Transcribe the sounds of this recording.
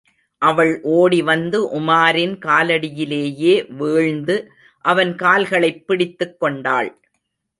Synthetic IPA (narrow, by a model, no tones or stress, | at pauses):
ʔɐʋɐɭʔoːɽiʋɐnd̪ɯʔʊmaːɾɪnkaːlɐɽɪjɪleːjeːʋeːɻnd̪ɯ | ʔɐʋɐnkaːlɣɐɭɐɪpːɪɽɪt̪ːɯkːɔɳɖaːɭ